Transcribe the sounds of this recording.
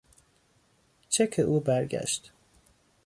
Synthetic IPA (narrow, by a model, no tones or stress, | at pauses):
t͡ʃʰekʰeʔuːbæɾɟæ̰ʃt̪